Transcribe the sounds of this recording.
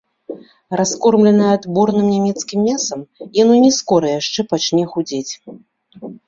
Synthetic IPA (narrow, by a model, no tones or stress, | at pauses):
raskɔrmlʲɛnɐjɛad̪bɔrnɨmnʲamʲɛt̪skʲimːʲasɐmjanɔnʲɛskɔɾɐjaʂt͡ʂɛpat͡ʂnʲɛxud͡zʲɛt͡sʲ